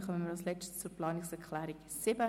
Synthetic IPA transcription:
χœmənmɪɾɑlslɛt͡stt͡suɾplɑːnɪksɛɾkʰlæːɾik | sɪbə

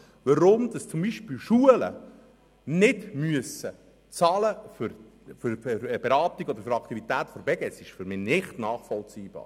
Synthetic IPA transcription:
ʋəɾʊmd̪ɑst͡sʊmbiʃpiːlʃuələ̰ | nɪdmyəsə | t͡sɑːləfʏɾ | føɾb̥eɾɑːtiɡɔd̪əɾføɾɑkt̪ivit̪æːt̪fɔɾbɛɡ̥ɛsɪʃfyɾmɪːnɪχtnɑːχfɔlt͡siːb̥ɑ̰ːɾ

